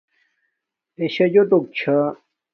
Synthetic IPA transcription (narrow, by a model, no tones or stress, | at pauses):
eɕɐd͡ʑot̪ok̚t͡ɕʰa